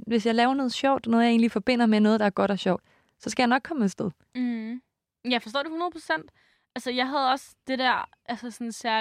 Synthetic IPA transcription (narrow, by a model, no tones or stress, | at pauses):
ʋe̝sjɑ̈ɪlɛːʊɐnɔ̽ːð̩ˠɕɒʊ̰d̥nɔ̽ːð̞̩ˠje̝̰ːnlifɒ̽b̥e̝n̰ɐmenɔ̽ːð̩ˠd̥ɑ̈æɐɡ̥ɒ̽ɾ̥ɒɕɒʊd̥ | sɒ̽sɡ̥æjɑ̈nɒ̽ɡ̥̚kʰːɒ̽med̥sd̥eð̞̩ˠ | jɑɪfɒsd̥ɔ̰ːd̥uhunɐðˠpʰʁo̥sen̰d̥ | ʔælsəjɑ̈ɪɦæðˠɒ̽sd̥e̝d̥æɐ̰ | ʔælsəsɒnsæɐ